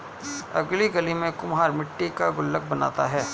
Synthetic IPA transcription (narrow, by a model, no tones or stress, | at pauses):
ɐ̰ɡliɡɐlimẽkʊmɦaːɾmɪʈːikaɡʊlːək̚bɐna̰ːt̪aɦɛː